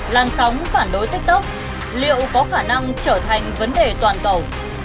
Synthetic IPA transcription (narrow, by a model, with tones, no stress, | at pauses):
laː˨˩nsa˨˦wŋ͡mfaː˧˩nɗo˨˦jt̪ï˦˥k̚t̪ɨ˦˥k͡p̚ | lḭ˧˨əwkɔ˨˦xaː˧˩na˧ŋt͡ɕəː˧˩t̪ʰa˨˩jŋ̟və˨˦nɗe˨˩t̪waː˨˩nkə˨˩w